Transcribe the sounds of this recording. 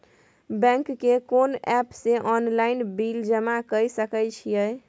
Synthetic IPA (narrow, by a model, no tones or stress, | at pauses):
bɛ̃ŋkːekonɛpseʔɔnlainbild͡ʒəmakəsəkəjt͡ʃʰijəj